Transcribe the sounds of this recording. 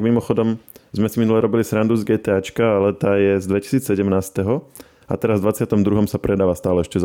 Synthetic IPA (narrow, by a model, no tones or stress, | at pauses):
ɡmimɔxɔd̪ɔmzmɛsiminulɛɾɔbilisɾand̪uzɡɛːt̪ɛːat͡ʃkaːlɛt̪aːjɛzd̪ʋɛci̥siːt͡ssɛɟɛmnaːst̪ɛɦɔ | a̰t̪ɛɾazd̪ʋat͡sɪat̪ɔmd̪ɾuɦɔmsapɾɛd̪aːʋast̪aːlɛɛʃcɛz